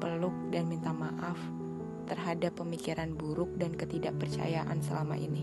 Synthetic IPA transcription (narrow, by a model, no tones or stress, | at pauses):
pəlʊk̚danmint̪amaʔaf | t̪ərɦadapːəmikiɾanbuɾʊk̚dankət̪idaʔpərt͡ʃa̰jaʔa̰nsəlama̰ʔḭni